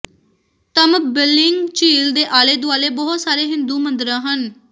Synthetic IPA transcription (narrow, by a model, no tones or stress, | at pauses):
t̪əmbɪlɪŋɡt͡ʃiːld̪eːʔaːleːd̪ʊaːleːbɔɦʊt̪saːɾeːɦɪnd̪uːmənd̪əɾãːɦən